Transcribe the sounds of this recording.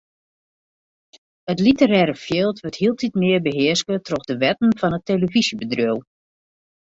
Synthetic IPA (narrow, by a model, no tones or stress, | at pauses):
ətlitəɾɛːɾəfjeːlˠtʋøthiəlˠtʰitmɪəbəɦɪəskətʰrɔxdəʋɛtn̩fɔnətːeləvisjəbədrøw